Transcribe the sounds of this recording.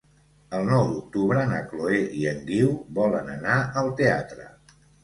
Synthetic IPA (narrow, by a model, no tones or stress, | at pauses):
əlˠnɔwd̪uk̚t̪uβɾənəkloeʔiəŋɡiwβɔlənənaəlˠt̪eat̪ɾə̰